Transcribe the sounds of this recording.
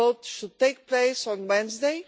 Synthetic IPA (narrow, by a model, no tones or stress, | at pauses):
otʃud̚t̪eɪk̚pleɪsɔ̃nwɛ̃nzd̪eɪ